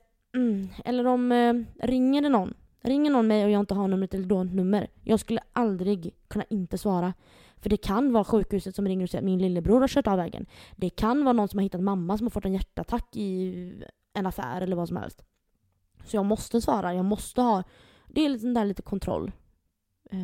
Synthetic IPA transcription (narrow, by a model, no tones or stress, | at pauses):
ɛ̰lːəɾɔmɾɪŋːəɖɛnɔnː | ɾɪŋːəɳɔnmɛjɔjɑːɪnt̪əɦanɵmːɾət̪ʰɛlːəd̪oːnt̪nɵmːəɾjʔɑːɡskɵlːəʔald̪ɾɪɡkʰɵnːaʔɪnt̪əsvɑːɾa | fœɖɛkʰanvɑːɾaɧʉ̟ːkhʉ̟ːsət̪sɔmɾɪŋːəɾɔsɛjːa̰t̪mɪnlɪlːəbɾuːɾhaɾʂœːʈɑːvɛːɡə̰nd̪ɛkʰanvɑːɾnɔnsɔmaɾhɪt̪ːat̪mamːasɔmhaɾfœʈːɛnjæʈːəat̪ʰakːɪ | ɛnafæ̰ːɾɛləɾvaːsɔmhɛ̰lst̪ | sɔjɑːɡmɔst̪əsvɑːɾʔajɑːɡmɔst̪əhɑː | d̪ɛːlsɛnd̪æːɭiːt̪ə̥kʰɔnt̪ʰɾɔ̰lː